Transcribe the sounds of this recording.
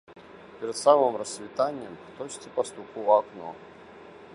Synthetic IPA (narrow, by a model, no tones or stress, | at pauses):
pʲɪɾʲɪt̪samɨmrəsːvʲɪt̪anʲɪjəmt̪ot͡ɕt̪ʲəpɐst̪ukʊɐkno̰